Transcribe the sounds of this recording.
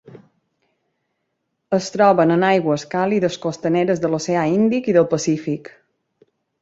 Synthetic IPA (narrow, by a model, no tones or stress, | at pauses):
əst̪ɾɔβənənajɣwəːskaliðəskost̪əneɾəzðəloseaind̪ikiðəlˠpəsifik